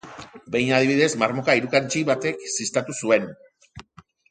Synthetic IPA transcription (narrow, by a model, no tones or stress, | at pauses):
be̞jnað̞iβ̞iðe̞zmaɾmo̞kaiɾukant͡ʃiβat̪e̞ksist̪at̪usue̞n